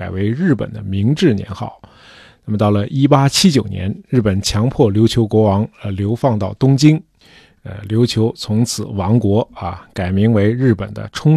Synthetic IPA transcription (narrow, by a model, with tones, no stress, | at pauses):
a˨˩ɪwe˧˥ɪɻɻ̩˥˩pə̰˨˩nd̪ə˦mi˧˥ŋʈ͡ʂɻ̩˥˩njɛ̰˧˥nxɑ̰˥˩ʊ | na˥˩mə˩t̪ɑ˥˩ʊlə˩ʔi˥pa˥t͡ɕʰi˥t͡ɕjo˨˩ʊnjɛ̰˧˥nɻɻ̩˥˩pə˨˩nt͡ɕʰjɑ˧˥ŋpʰwɔ˥˩ljo˧˥ʊt͡ɕʰjo˧˥ʊkwɔ˧˥wɑ˧˥ŋ˧ljo˧˥ʊfɑ˥˧ŋt̪ɑ˥˩ʊt̪ʊ˥ŋt͡ɕi˥ŋ | ə̰˧˩ljo˧˥ʊt͡ɕʰjo˧˥ʊt͡sʰʊ˧˥ŋt͡sʰɹ̩˨˩˦wɑ˧˥ŋkwɔ˧˥ə̰˧ka˨˩ɪmi˧˥ŋwe˧˥ɪɻɻ̩˥˩pə̰˨˩nd̪ə̰˦ʈ͡ʂʰʊ˥ŋ